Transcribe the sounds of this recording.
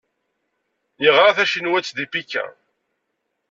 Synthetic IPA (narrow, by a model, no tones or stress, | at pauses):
jiʁɾaθæʃinwæt͡sːd̪ipikːæ̰